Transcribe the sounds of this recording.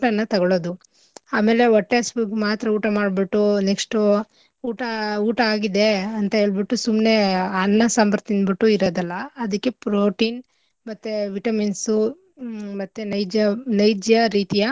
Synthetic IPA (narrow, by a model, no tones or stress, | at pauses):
ʈɐnːɐt̪ɐɡɐɭoːd̪u | aːme̞ːle̞ɔʈːesbuɡmaːt̪ɾɐuːʈɐmaːɖbiʈːunekʂʈu | uːʈɐuːʈɐaːɡid̪e̞ɐnt̪ɐɦeːɭbiʈːusumne̞ɐnːɐsɐmpɐɾt̪ind̪biʈːuiɾoːd̪ɐlːɐːd̪ɐkːe̞pɾoːʈiːn | mɐt̪ːeʋiʈɐminsu | mɐt̪ːunɐjd͡ʒɐnɐjd͡ʒjɐɾiːt̪ijɐ